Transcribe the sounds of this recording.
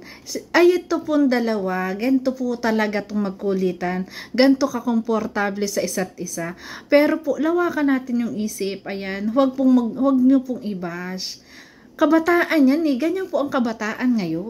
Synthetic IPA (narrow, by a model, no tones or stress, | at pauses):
sʔɐjɪt̪opʊŋd̪ɐlɐwaɡɐnt̪opʊt̪ɐlɐɡat̪ʊŋmɐɡ̚kʊliːt̪ɐnɡɐnt̪o̞kɐko̞mpoɾt̪aːblɛsɐʔɪsat̪̚ʔɪsapɛːɾo̞poʔlɐwaːkɐnaːt̪ɪnjʊŋʔiːsɪpʔɐjanwɐɡ̚pʊŋmɐɡwɐɡ̚ɲopʊŋʔɪbas | kɐbɐt̪aːʔɐnjanɛɡɐɲopoʔɐŋkɐbɐt̪aːʔɐnŋɐjo